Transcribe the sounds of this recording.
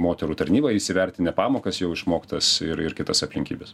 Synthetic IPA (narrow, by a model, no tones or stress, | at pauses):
moːt̪ʲɛɾuːt̪ɐɾʲnʲiːbɐɪʃsʲɪʋʲɛɾʲt̪ʲɪnʲɛpɑːmoːkɐsjɛʊɪʃmoːkt̪ɐsɪɾɪɾkʲɪt̪ɐsɐpʲlʲɪŋʲkʲiːbʲɛs